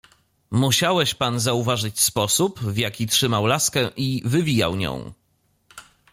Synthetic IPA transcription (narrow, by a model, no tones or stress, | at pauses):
muɕawɛɕpanzauvaʐɘt͡ɕspɔsupvjakʲitʂɘmawlaskɛʔivɘvʲija̰wɲɔ̰̃w̃